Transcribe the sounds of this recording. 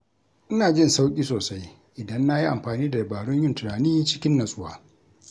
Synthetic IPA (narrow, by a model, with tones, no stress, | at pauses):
ʔɪ˦naː˨d͡ʒɪ˦nsa˦wkʲʼiː˦soː˨sa˦j | ʔɪ˨dɐ˦nːa˦ji˦ʔa̰˨mɸaː˨niː˦da˨a˨baː˨ɽʊ˦ɲjɪ˦ntʊ˨naː˨niː˦t͡ʃɪ˦kʲɪ˦nːɐ˨sʼʊ˦waː˦